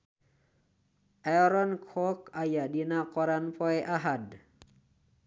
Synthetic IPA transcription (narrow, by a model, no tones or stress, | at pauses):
ɛɾɔnkʰɔkajadinakɔɾanpɔjʔaɦad